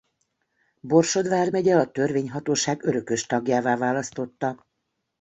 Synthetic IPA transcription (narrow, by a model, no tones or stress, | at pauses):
bo̞rʃo̞d̪vaːrmɛɟɛɒt̪ø̞rveːɲɦɒt̪oːʃaːɡøɾø̞kø̞ʃt̪ɒɡjaːvaːvaːlɒst̪o̞t̪ːɒ